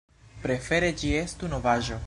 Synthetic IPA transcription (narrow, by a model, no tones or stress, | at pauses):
pɾefeɾed͡ʒiest̪unovaʒo